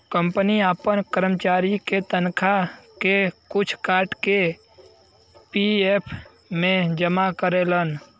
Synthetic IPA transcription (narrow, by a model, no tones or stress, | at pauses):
kə̃mpəniaːpənkəɾəmt͡ʃaːɾiket̪ənkʰakekʊt͡ʃʰkaːɾʈke | piepʰ | mẽd͡ʒəmakəɾelən